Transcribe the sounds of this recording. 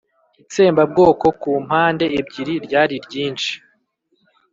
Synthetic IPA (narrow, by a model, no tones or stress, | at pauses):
it͡se̞ːmbab̚ɡo̞ːko̞kuːm̥haːnde̞ːbɟiɾiɾɟaːɾiɾɟiːnt͡ʃi̥